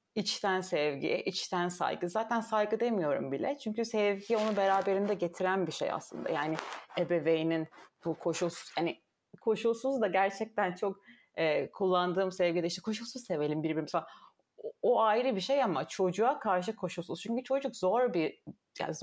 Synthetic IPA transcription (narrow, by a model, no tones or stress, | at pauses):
it͡ʃt̪ʰænsɛvɟḭʔit͡ʃt̪ʰænsa̰jɡɯzaːt̪ʰænsajɡɯd̪e̞mijo̞ɾṵmbilʲɛ̰t͡ʃʰyɲcysɛvɟio̞nubeɾaːbe̞ɾind̪ɛɟe̞t̪ʰiɾænbiʃḛja̰slˠɯ̰nd̪a̰jaːnɪebevejininb̥ukʰo̞ʃulˠsuz̥hanɪ | kʰo̞ʃulˠsuzd̪aɟæɾt͡ʃʰɛc̚t̪ʰænt͡ʃʰo̞k | ɛːkʰulˠːand̪ɯːmsɛvɟid̪ɛiʃt̪ɛkʰo̞ʃ̬ulˠsuz̥se̞ve̞lʲimbiɾbiɾmisal | oajiɾɯbiʃe̞jamat͡ʃʰo̞d͡ʒuakʰaɾʃ̬ɯkʰo̞ʃulˠsuz̥t͡ʃʰyɲcyt͡ʃʰo̞d͡ʒukzo̞ɾbi | ja̰ːnz